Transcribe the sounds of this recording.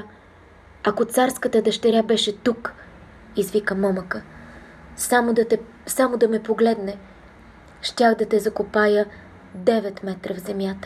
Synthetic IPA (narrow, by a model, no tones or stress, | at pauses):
ɐkot̪saɾskət̪əd̪ɐʃt̪ɛɾʲabɛʃɛt̪uk | izvikəmɔməkə | samod̪t̪ɛ | samod̪ɐmɛpoɡlɛd̪nɛ | ʃt̪ʲaxd̪ɐt̪ɛzɐkopajə | d̪ɛvɛt̪mɛt̪ɾəvzɛmʲjat̪ə̥